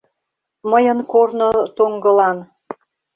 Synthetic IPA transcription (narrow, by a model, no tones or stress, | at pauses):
məjənkornot̪oŋɡəlɑn